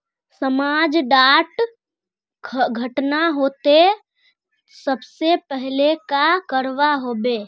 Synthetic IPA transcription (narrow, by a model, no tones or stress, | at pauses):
səmaːd͡ʒɖaːʈ | ɡʱəʈnaɦoːt̪e | səbsepəɦlekakəɾʋaɦoːbeː